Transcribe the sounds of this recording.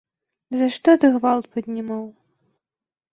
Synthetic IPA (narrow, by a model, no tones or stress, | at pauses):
zaʂt̪ɔt̪ɨɣvalˠt̪̚pɐd̪ʲnʲimaw